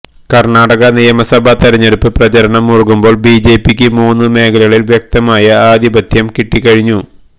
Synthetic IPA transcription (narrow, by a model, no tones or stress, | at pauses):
kɐrɳaːɽɐɣɐnijɐmɐsɐbʱɐt̪ɐɾɐɲːeɽupːɨprɐt͡ɕɐɾɐɳɐmːurukumbo̞ːɭbiːd͡ʑe̞ːpːikʲːɨmuːnːɨme̞ːkʰɐlɐɣɐɭilʋjek̚t̪ɐmaːjɐaːd̪ʱibɐd̪ʱjɐmkiʈːikːɐɻiɲːu